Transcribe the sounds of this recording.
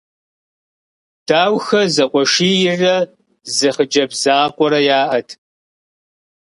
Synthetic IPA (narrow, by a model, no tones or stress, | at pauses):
d̥aːwxɐzɐqʷʼɔʂiːjɪrɐ | zɐχəd͡ʒɐbzaːqʷʼɔɾɐjaːʔɐtʰ